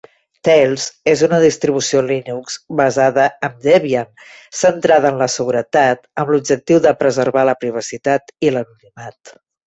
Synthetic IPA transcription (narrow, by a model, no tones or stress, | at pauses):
t̪ɛlˠzezunəðist̪ɾiβ̞usiolinukzβəzaðəəmd̪eβian | sənt̪ɾaðənləsəɣuɾət̪at̪əmlub̚d͡ʒək̚t̪iwðəpɾəzəɾβaləpɾiβ̞əsit̪at̪ilənunimat̪